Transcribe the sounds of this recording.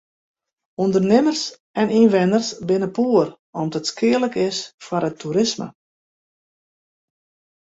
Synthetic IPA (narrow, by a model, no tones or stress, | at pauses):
undərnɪmərs | ɛninʋɪnərsbɪnəpuːər | ɔmdətskɪələkɪsfaɾətʰːuɾɪsmə̰